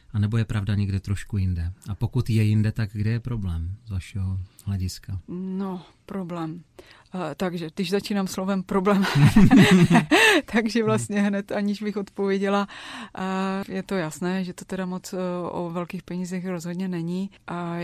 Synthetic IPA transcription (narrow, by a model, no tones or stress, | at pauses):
ʔanɛbo̞jɛpɾavdaɲɛɡdɛt̪ɾoʃkujɪndɛʔapo̞kut̪jɛjɪndɛt̪aɡɡdɛjɛpɾoblɛːmzvaʃɛɦohlɛɟɪskano̞ | pɾo̞blɛːm | t̪aɡʒɛd̪ɪʒzat͡ʃiːnaːmslo̞vɛmpɾo̞blɛːm | t̪aɡʒɛvlast̪ɲɛɦnɛt̪ʔaɲɪʒbɪxo̞t̪povjɛɟɛla | jɛt̪o̞jasnɛːʒɛt̪o̞t̪ɛdamot͡sʔo̰vɛlkiːxpɛɲiːzɛxɾozɦod̪ɲɛnɛɲiʔa